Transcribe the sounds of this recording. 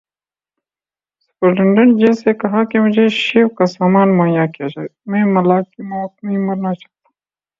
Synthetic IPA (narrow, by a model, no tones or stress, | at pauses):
spɐɾɖɪɳɖɐnd͡ʒeːsekɐɦakemʊd͡ʒʱeʃeːwkasaːmaːnmɐːjakijad͡ʒaːemẽːmɐlaːkimok̚nĩmɐɾnat͡ʃḁt̪ḁ